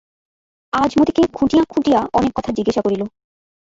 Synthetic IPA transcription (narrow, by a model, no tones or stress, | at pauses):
ad͡ʑmod̪ikekʰũʈijakʰũʈijaʔɔnekːɔt̪ʰad͡ʑiɡeʃakoɾilo